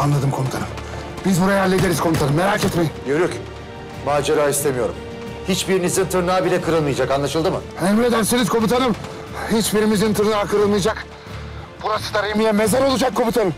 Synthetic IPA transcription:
anlˠad̪ɯmkʰo̞mut̪ʰa̰nɯm | bizbuɾajajæɾlʲed̪e̞ɾizkʰo̞nut̪ʰanɯmːeɾaːcʰɛt̪mejimɟøɾycʲ | maːd͡ʒeɾaːist̪ʰe̞mijo̞ɾṵm | hit͡ʃbiɾimizint̪ʰɯɾnaːbilʲɛkʰɯɾɯlˠmɯjad͡ʒakanlˠaʃɯlˠd̪ɯmɯ̰emiled̪æɾsinizkʰo̞but̪ʰanɯm | hit͡ʃbiɾimizint̪ʰɯɾnaːkʰɯɾɯlˠmɯjad͡ʒak | b̥uɾasɯ̥d̪aɾɯjɯmijɛmezɛlʲolˠud͡ʒakʰːo̞bit̪ʰanɯm

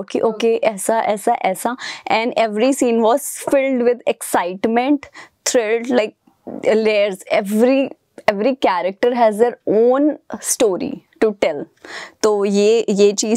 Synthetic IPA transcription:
keʔoːkeʔɛːsaʔɛːsaʔɛːsaʔɛ̃nɖɛʋɾisĩːnʋɔːz̥fɪlɖʋɪd̪ɛksaɪʈmɛ̃ɳʈt̪ʰɾɛlɖlaɪk̚ | leːɾzɛʋɾi | ɛʋɾikæɾək̚ʈəɾɦɛzd̪eɾõːnsʈoːɾḭʈuʈɛl | t̪oːjeːjeːt͡ʃiː

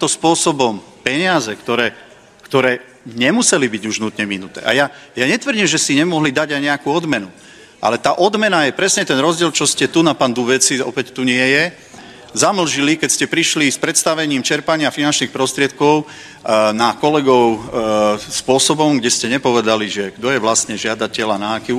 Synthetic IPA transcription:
it̪ɔspʊɔsɔbɔm | pɛɲɪazɛkt̪ɔɾɛː | kt̪ɔɾɛː | ɲɛmusɛlibiɟuʒnut̪ɲɛminut̪ɛ̰ːʔa̰jajaɲɛt̪ʋr̩ɟimʒɛsiɲɛmɔɦlid̪aɟajɲɛakuːɔd̪mɛnu | ʔa̰lɛt̪aːʔɔd̪mɛnajɛpɾɛsɲɛt̪ɛnɾɔzɟɪɛlt͡ʃɔscɛt̪unapaːnd̪ubɛt͡siɔ̰pɛct̪uɲɪɛjɛ | zaml̩ʒilikɛcscɛpɾiʃlispɾɛt̪st̪aʋɛɲiːmt͡ʃɛɾpaɲɪafinant͡ʃnixpɾɔst̪ɾɪɛt̪̚kɔʊ | nakɔlɛɡɔʊ | spʊɔsɔbɔmɡɟɛscɛɲɛpɔʋɛd̪aliʒɛɡ̥d̪ɔjɛʋlast̪ɲɛʒɪad̪acɛlanaːki

